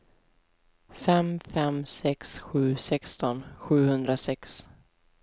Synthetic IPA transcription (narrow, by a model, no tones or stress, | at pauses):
fɛmfɛmsɛksɧʉ̟ːsɛkst̪ɔnɧʉ̟ːhɵnd̪ɾasɛks